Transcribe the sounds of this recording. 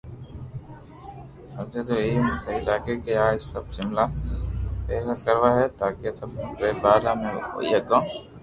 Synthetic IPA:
ɐd͡ʒet̪oeːmẽsəiɪlaːkekeaːd͡ʒsɐb̚ʃɪmla | peːɾakəɾʋaɦɛt̪aːkesɐb̚eːbaːlamḛ̃ḭɐɡãː

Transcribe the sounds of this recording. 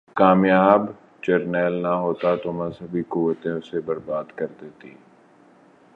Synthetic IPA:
kaːmjaːb | t͡ʃɐɾnɛːlnɐɦoːt̪at̪omə̃səbʱikuʋət̪õsebɐɾbaːd̪kɐɾd̪eːt̪ḭː

